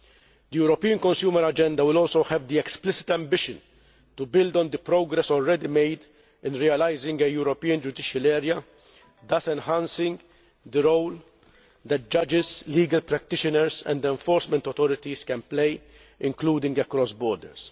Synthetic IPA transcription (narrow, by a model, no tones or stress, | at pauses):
d̪ijuːɾɔpiːə̃nkɔ̃nsjuːməɾɐd͡ʒɛ̃nd̪ɐwɪlɔːlsowhɛvd̪iɛksplɪsɪ̥t̪ɛ̃mbɪʃɪ̃n | t̪ʊbɪld̪ɔ̃nd̪ɪpɾoɡɾɛsɔlɹɛd̪imeɪd̪ | ɪ̃nɾiːɛlajzɪ̃ŋɡejuːɾɔpiːə̃nd͡ʒʊd̪ɪʃɐlɛːɾjɐ | d̪ɐsɛ̃nhãnsɪ̃ŋɡ | d̪əɾowl | d̪ɛt̪̚d͡ʒɐd͡ʒɪzliːɡɐlpɾɛk̚t̪ɪʃɪnəɾzɛ̰̃nd̪ɛ̃ɱfɔːɾsmɛ̃nt̪ɔt̪ɔɾɪt̪iskɛ̃nplej | ʔɪ̃ŋkluːd̪ɪ̃ŋɡɛkɾɔsbɔːɾd̪ə̰ɾs